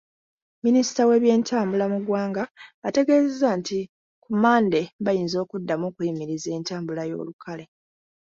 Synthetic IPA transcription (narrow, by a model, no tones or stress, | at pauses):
minisi̥tawe̞ːβje̞ːntʰaːmbulamuɡwaːŋɡaːte̞ɡe̞ːzezanti | kumaːnde̞bajiːnzo̞ːkudːamuːkujimiɾize̞ːntaːmbulajo̞̰ːlukʰale̞